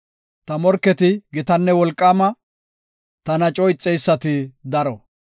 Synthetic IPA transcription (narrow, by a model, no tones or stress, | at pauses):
t̪ɐmɔɾkːɛt̪ɪɡɪt̪ɐnːɛwɔlkʼːaːmɐ | t̪ɐnɐt͡ʃʼɔɪt͡sʼːɛjsːɐt̪ɪd̪ɐɾɔ